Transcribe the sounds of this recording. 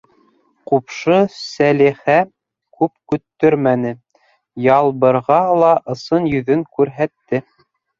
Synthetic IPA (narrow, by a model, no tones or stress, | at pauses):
qupʃɤsælihæ | kʉpkɵ̆t̪ːɵɾmænɘ | jɑlˠβɤ̆ɾʁɑlˠɑʔɤ̆sɤnjɵ̆ðɵŋkʉɾɦæt̪ːɘ